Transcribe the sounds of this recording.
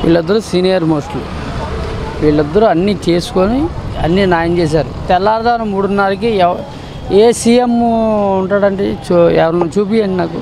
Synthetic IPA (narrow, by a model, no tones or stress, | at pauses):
ʋḭːɭːid̪ːɐɾusinijɐɾmoːsʈlṵ | ʋiːɭːid̪ːɐɾuɐnːit͡ʃe̞ːsu̥koniɐnːinaːjɐmt͡ʃeːs̬aːɾut̪ɛlːaːɾd̪aːnɐmːuːɽunːaːɾik̬iɛ | eːsiːjemuɳʈaːɽɐɳʈet͡ʃɛ̰ʋɐɾɐnut͡ʃuːpiɐɳʈinaːku